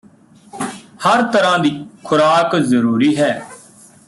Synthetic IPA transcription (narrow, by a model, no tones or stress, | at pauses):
həɾt̪əɾãːd̪iːkʰʊɾaːkzəɾuːɾiːɦɛː